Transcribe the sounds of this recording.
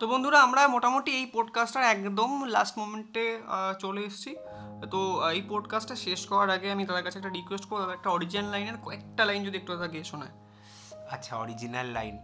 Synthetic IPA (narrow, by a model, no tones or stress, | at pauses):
t̪obond̪ʱuɾaamɾamoʈamoʈiejpɔɖkasʈaɾɛkd̪omlasʈmomeɳʈet͡ɕoleeʃt͡ɕʰi | t̪oejpɔɖkasʈeʃeʃkɔoaɾaɡeamit̪ad̪aɾkat͡ɕʰeɛk̚ʈaɾikwesʈ̚koɾbod̪aeɛkʈaɔɾid͡ʑnlajneɾkoɛk̚ʈalajnd͡ʑod̪iekʈuad̪aɡieʃonae | atːʃʰaɔ̰ɾid͡ʑinalːa̰jn